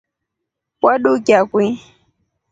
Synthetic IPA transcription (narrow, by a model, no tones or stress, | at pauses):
kʷaɗukʲakʷi